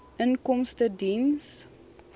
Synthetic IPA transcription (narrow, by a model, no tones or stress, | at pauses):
ənkɔmstədins